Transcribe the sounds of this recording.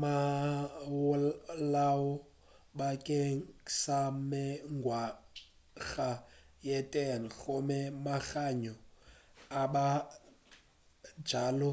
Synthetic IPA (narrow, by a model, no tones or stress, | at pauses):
ma | wlawɔ | bakʼeŋsamɛŋɡwa | ɣajɛtʼɛnɣomɛmaɣaɲɔ | aɓa | d͡ʒaːlɔ